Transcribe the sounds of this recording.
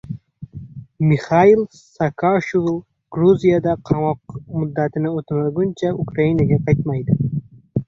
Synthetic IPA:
miχɑil | sakʰaʃuvlˠ | ɡ̥ɾuzijad̪aqʰɑmɒq̚mʊd̪ːat̪ʰɪnɪot̪ʰmaɡʊnt͡ʃʰaʊkɾainaɡʲaqʰɑjt̪majd̪ɪ

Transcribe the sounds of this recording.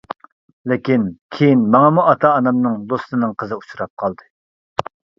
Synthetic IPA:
lɪkʲinkʲʰejinmɑŋɑmuʔɑt̪ʰɑːnɑmnɨŋd̪ost̪ɨnɨŋqʰəzɨut͡ʃuɾɑp̚qʰɑlˠd̪ɨ

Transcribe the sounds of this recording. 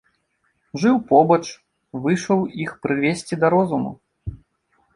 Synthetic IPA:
ʐɨwpɔbɐt͡ʂ | vɨʂɐwixpɾɨvʲesʲt͡sʲid̪ɐɾɔzumṵ

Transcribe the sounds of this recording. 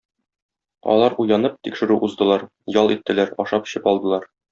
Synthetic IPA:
ɒ̰lˠɑɾujɑnɤp̚t̪ikʃɘ̆ɾʉʔuzd̪ɤ̆lˠɑɾ | jɒlˠit̪ːɘ̆læɾɒʃɑp̆ɕɤpɒlˠd̪ɤ̆lˠɑɾ

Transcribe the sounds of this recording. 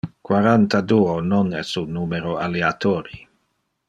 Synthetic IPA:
kwaɾant̪ad̪uːononɛ̰sunuːmeɾoaleat̪oːɾi

